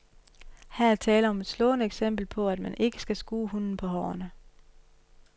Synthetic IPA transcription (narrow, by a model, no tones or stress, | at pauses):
hæɐæɐt͡sʰɛːləɒ̽me̝d̥slɔ̰̽ːnəeɡ̥sem̰b̥l̩pʰɒ̽æd̥mænʔe̝ɡ̥ə̥sɡ̥æsɡ̥uːhunn̩pʰɒ̽ɦɒ̰ːɐnə